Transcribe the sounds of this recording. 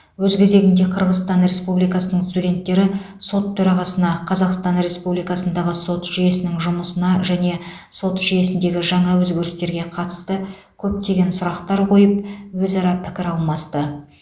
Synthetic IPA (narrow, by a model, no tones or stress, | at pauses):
wɵzɡʲɪze̞ɡʲɪnd̪e̞qʰəɾʁəzst̪ɑnɾe̞spublijkɑsənəɴst̪ud̪ʲe̞nt̪ːe̞ɾɪ | so̞t̪ʰːɵɾɑʁɑsənɑqʰɑzɑqst̪ɑnɾe̞spublijkɑsənd̪ɑʁəso̞t̪ʒ̥ije̞sɪnɪŋʒʊməsənɑʒæne̞ | so̞t̪ʒije̞sɪnd̪e̞ɡʲɪʒɑɴɑwɵzɡʲe̞ɾɪst̪e̞ɾɡʲe̞qʰɑt̪ə̥st̪ə | kʲʰɵp̚t̪e̞ɡʲe̞nsʊɾɑqt̪ɑɾqʰo̞jəp̚wɵzɑɾɑpʰɪ̥kʲɪɾɑlˠmɑst̪ə